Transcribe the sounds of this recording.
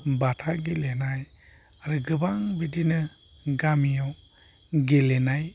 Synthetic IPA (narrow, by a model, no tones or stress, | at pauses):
batʰaɡelenaj | aɾɯɡɯbaŋbidinɯɡamijɔ | ɡelɛnaj